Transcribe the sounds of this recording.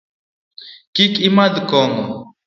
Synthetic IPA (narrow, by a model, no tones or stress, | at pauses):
kikimad̪kɔŋɔ